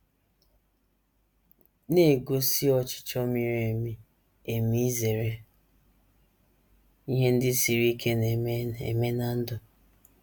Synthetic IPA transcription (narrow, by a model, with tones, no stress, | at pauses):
ne˦˨ɡo˦si˦ɔ˦t͡ʃɪ̥˦t͡ʃɔ˦mɪ˨ɾe˨mi˦ | e˨mi˦ze˨ɾe˦ | i˦ɦe˦n̩˦dɪ˦si˨ɾi˦kʰe˦ne˨˦ḛ˨me˦na˨n̩˦dʊ˨